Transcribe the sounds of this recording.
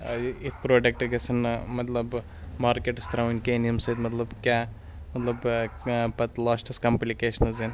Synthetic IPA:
it̪̚ʰpɾoːɖek̚ʈɐɡɐsɐnmɐt̪lɐb | maːɾkeʈɐst̪ɾɐʋinkeːnijɐmsɐt̪mɐt̪lɐbkʲaː | mɐt̪lɐb | pɐt̪laːsʈɐskɐmplikeːʃɐnɐzen

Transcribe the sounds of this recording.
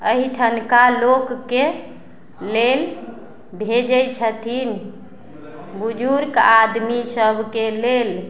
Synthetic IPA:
əɦiʈʰənkalokːe | lel | bʱed͡ʒəjt͡ʃʰət̪ʰin | bud͡ʒuɾkad̪misəbʱkelel

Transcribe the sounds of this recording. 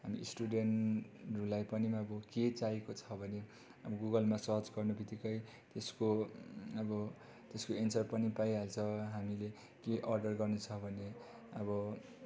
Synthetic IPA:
ɦamisʈuɖenrulajpʌnimaʌbʌket͡saekot͡sʰʌbʱʌne | ʌbʌɡuɡʌlmasʌt͡sɡʌrnubʱit̪ikʌj | t̪eskoʌbʌ | t̪eskoensʌrpʌnipajɦalt͡sʰʌɦamile | keʔʌrɖʌrɡʌrnut͡sʰʌbʱʌne | ʌbʌ

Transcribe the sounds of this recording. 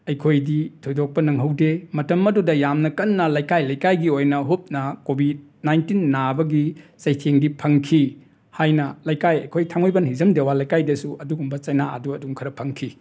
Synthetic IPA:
ɐjkʰojditʰojdok̚pɐnɐŋɦɐwdemɐtɐmɐdudɐjamnɐkɐnːɐlajkajlajkajɡiojnɐɦup̚nɐkobʱid̚najntinːabɐɡisɐjtʰeŋdipʰɐŋkʰi | hajnɐlajkajɐjkʰojtʰaŋojbɐnhizɐmdewalajkajdɐsuʔɐduɡumbɐt͡ʃɐjnaɐ̰duɐduŋkʰɐɾɐpʰɐŋkʰi

